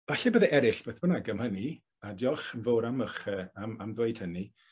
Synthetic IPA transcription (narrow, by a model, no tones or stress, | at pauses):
vaɬɛbəðɛʔɛɾɪɬb̥eːθbənaɡəmhəni | adjɔɬənvoːɾaməχəːamamðwoɨd̥həni